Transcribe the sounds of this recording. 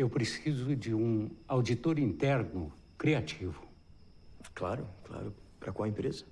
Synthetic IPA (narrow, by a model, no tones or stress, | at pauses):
ewpɾesizʊd͡ʒɪũawd͡ʒit̪oɾĩnt̪ɛɾnʊ | kɾiat͡ʃivʊ | kla̰ɾʊkla̰ɾʊpɾɐkʷõwɐẽpɾezɐ